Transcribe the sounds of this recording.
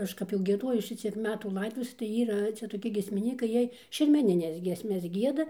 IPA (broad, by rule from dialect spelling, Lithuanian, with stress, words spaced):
ˈɐʃ kɐp jɛʊ ɡʲiɛˈdoːjʊs ˈʃʲɪt͡sʲiɛk ˈmʲæːtuː ˈlˠɐɪdoːtʊʋʲeːsʲɛ tɐɪ ˈiːrɐ ˈt͡sʲɛ toːˈkʲɪ ɡʲiɛsʲmʲɪˈnʲiːkɐɪ ˈjiɛj ʃʲɛrʲmʲɛˈnʲɪnʲɛs ˈɡʲiɛsʲmʲɛs ˈɡʲiɛdɐ